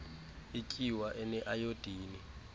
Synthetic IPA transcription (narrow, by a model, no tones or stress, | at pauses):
icʼiwaʔɛnɛʔajod̥ʱiːni